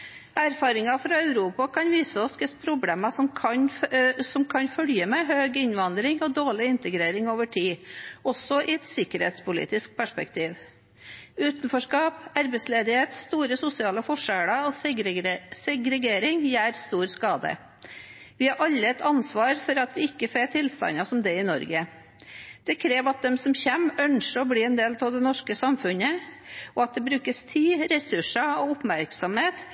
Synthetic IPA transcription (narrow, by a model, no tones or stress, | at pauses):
æɾfɑːɾɪŋɑfɾɑœʉɾuːpɑkɑnʋiːsəɔsɡəspʰɾʊbleːmɑsɔmkʰɑnsɔmkʰɑnfœljəmeːɦøːɡɪɲʋɑnd̪ɾɪŋɔd̪oːɭɪɪnt̪əɡɾeːɾɪŋoːʋəʈʰiːɔsɔʔɪɛt̪sɪkəɾhḛːt̪spʊlḭːt̪ɪsk̚pʰæʂpɛ̰kt̪ʰiːʋ | ʉːt̪nfɔʂkɑːpæɾbɛsleːd̪ɪheːt̪st̪uːɾəsʊsɪɑːləfɔʂæɽɑo | sɛɡɾɛɡeːɾɪŋjæːɾst̪uːɾskɑːd̪ə̰ | ʋɪhɑɾʔɑlːəɛt̪ʰɑnsʋɑːɾfɔɾɑt̪ʋɪɪkːəfeːt̪ʰɪlst̪ɑ̰nɑsɔmd̪ɛɪnɔ̰ɾɡə | d̪̥ɛkʰɾeːʋɑt̪̚d̪ɛmsɔmçɛmːœnʂəɔbɽiːɛnd̪eːlt̪ʰɑʋd̪ɛnɔʂkəsɑmfʉnə | ʔɔɑt̪̚d̪ɛbɾʉːkəst̪ʰiːɾɛsʉʂɑɔʊpmæɾksɔmheːt̪